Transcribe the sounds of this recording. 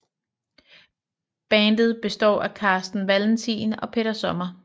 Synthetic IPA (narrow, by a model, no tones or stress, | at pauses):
b̥ɛːnd̥ð̞̩ˠb̥e̝sd̥ɒ̰ːækʰɑ̈ːsd̥n̩ʋæln̩t͡sʰḭːnɒ̽pʰe̝ɾ̥ɐsɒ̽mɐ